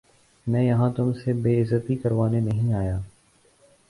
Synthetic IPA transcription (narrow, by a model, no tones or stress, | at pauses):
mɛ̃ːjɐɦãːt̪ʊmsebeːɪzət̪ikɐɾʋaːnenɐɦĩaːjaː